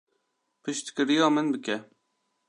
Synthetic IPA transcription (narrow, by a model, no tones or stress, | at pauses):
pʰɨʃt̪kʲɪɾijɑːmɨnbɨkʲʰɛ